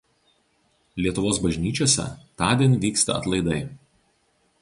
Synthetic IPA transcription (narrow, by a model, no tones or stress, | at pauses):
lʲiɛt̪ʊʋoːsbɐʒʲnʲiːt͡ʃʲoːsʲɛ̰t̪ɑːd̪ʲiɛnʲʋʲiːkst̪ɐ̰ɐt̪lˠɐɪd̪ɐɪ